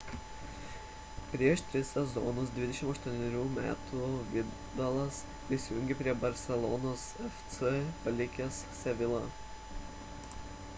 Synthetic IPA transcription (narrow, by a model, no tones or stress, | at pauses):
pʲɾʲiɛʃt̪ʲɾʲɪssʲɛzɔ̰nʊs̬d̪ʲʋʲɪd̪ʲɛʃʲɪmɐʃt̪uɔnʲɛɾʲuːmʲæ̰ːt̪uʋʲɪ | d̪ɐlˠɐs | pʲɾʲɪsʲɪjʊ̃ŋʲɡʲɛpʲɾʲiɛbɐɾʲsʲɛlˠɔnoːsɛfʲt̪sɛpɐlʲɪkʲɛsːʲɛʋʲɪlˠɐ